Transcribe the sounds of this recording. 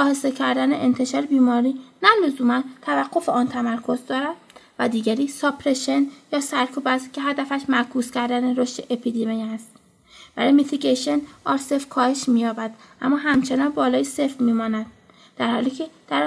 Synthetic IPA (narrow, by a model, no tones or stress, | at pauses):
ɒːhesecʰæɾd̪æneʔent̪ʰe̞ʃɒːɾebiːmɒːɾiːnælozuːmænt̪ʰævæɡːo̞feɒːnt̪ʰæmæɾkʰo̞zd̪ɒːɾæd̪væd̪iːɟæɾiːsɒpʰɾeʃenjɒːsæɾkʰuːbæst̪cʰe̞ɦæd̪æfæʃmækʰuːscʰæɾd̪æneɾoʃt̪eʔepʰid̪emijæst̪ | b̥æɾɒːjmit̪ʰiɡeʃenʔɒːɾsefkʰɒːhe̞ʃmiːjɒːbæd̪̥ʔæmːɒːɦæmt͡ʃʰenɒːnbɒːlɒːjesefmiːmɒːnæd̪ | d̪̥æɾhɒ̰ːliːcʰe̞d̪̥æɾ